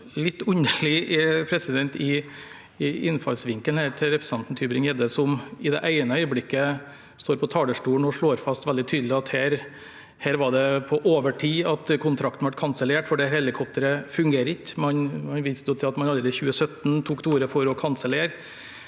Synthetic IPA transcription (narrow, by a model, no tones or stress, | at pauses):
lɪt̪ːʉnəɭɪpʰɾɛsɪd̪ɛnt̪ɪ | ɪɪnfɑlsʋɪŋkəlhæːɾt̪ʰɪɾɛpɾəsɑnt̪n̩t̪ʰyːbɾɪŋɛːd̪əsɔmɪd̪ɛ̰ʔæɪnəœʏəblɪkːə | st̪oːɾpʰɔt̪ʰɑːɽəʂʈuːɳ̩ɔʂɭoːɾfɑst̪ʋɛld̪ɪt̪ʰyːd̪lɪɑt̪hæːɾ | hæːɾʋɑɖɛpʰɔʔoːʋəʈʰiːɑt̪kʰʊnt̪ʰɾɑk̚t̪n̩ʋɑʈkʰɑnsəleːʈfɔɖɛhɛlɪkʰɔp̚t̪əɾəfʉŋɡeːɾəɪçmɑnmɑnʋiːsd̪joːt̪ʰɪlɑt̪mɑnɑlːɾɛd̪ɪçʉːəsœt̪nt̪ʰuːkt̪uːɾəfɔɾɔkʰɑnsəleːɾ